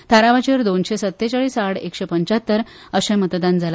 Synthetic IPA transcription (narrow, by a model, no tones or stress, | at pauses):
t̪ʰaɾaʋat͡ɕəɾd̪onɕesət̪ːet͡ɕaɭiːsaɽekɕepəɲt͡ɕat̪ːəɾ | əɕɛ̃mət̪d̪and͡zala